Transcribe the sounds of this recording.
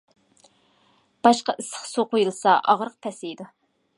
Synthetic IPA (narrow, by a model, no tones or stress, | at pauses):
b̥ɑʃqɑʔɨsə̥χsoqʰojɨlˠsɑʔɑʁɾəq̚pʰɛsɪjd̪u